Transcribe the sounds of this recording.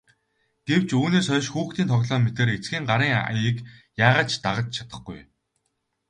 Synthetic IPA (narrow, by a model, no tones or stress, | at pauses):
ɡ̥ew̥t͡ɕuːneːsœːʃxuːxt̪iːnt̪ʰɔɣtɮɔːmet̪ĕːɾet͡sɡiːŋɢaɾiːŋ̰jəkjaːʁaːt͡ɕt̪aʁə̆t͡ɕt͡ɕʰḁt̪ə̥̆χɡṵj